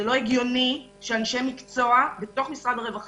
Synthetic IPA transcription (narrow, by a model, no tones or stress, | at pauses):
elo̞eɡjo̞ni | ʃeanʃe̞mikt͡so̞abe̞to̞χmisʁadaʁevaχ